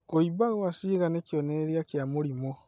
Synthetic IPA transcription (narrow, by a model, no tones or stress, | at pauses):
koibaɣoasiːɣanekjoneɾijakjamoɾimo